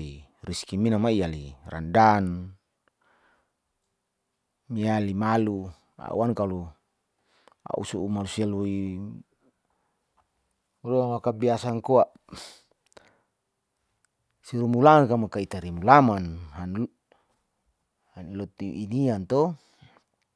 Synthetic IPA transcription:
i | riskiminamaijalira̰ndan | mialimalu | a̰ṵankalu | a̰ʔṵsuumalusialoi | uloawakabiasaŋkoaʔ | siɾumulamankamakait̪aɾimulamanɦan | hanilot̪iʔiniant̪o

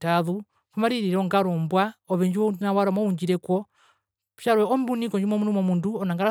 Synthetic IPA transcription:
taðu | kumaɾiɾiɾɔŋɡaɾɔmbwaɔβɛɲd͡ʒiwɔundunawaɾɔmɔuɲd͡ʒiɾɛkɔ | ʃaɾwɛɔmbunikɔɲd͡ʒumɔmunumɔmunduɔnaŋɡaɾa

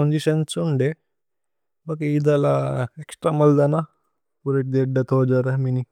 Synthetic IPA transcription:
ond͡ʒiʃɐnsuɳɖe | bɐkeid̪ɐlaeksʈɾamɐld̪ana | puɾeʈ̚d̪eɖːɐt̪oːd͡ʒaɾɐmini

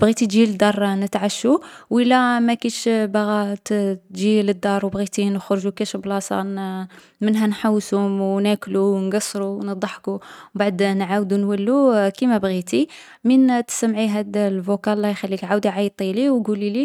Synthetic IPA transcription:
bɣit̪it̪ʒiləd̪ɑrˤnət̪ʕaʃuwʔəlːæmækæʃbɣæt̪ʒiləd̪ːɑɾˤwbɣit̪inəxɾʒukæʃblɑsˤɑ̰n | mənɦænħawːsʊmwnækluwnɡɑsˤːɾunəd̪ˤːɑħkubaʕd̪nʕawd̪unwælːukimæbɣit̪i | mint̪ə̥səmʕiɦæd̪lvokælːɑjxælːikʕawd̪iʕajt̪ˤːiliwɡulili

